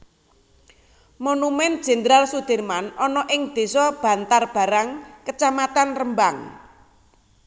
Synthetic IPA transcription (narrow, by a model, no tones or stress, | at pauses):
monumɛnd̥d͡ʒ̥ɛ̤nd̪əɾalsud̪̥e̤rmanɔnɔʔɪŋd̪̥e̤sɔb̥ä̤nt̪arb̥a̤ɾaŋkət͡ʃamat̪anrəmbaŋ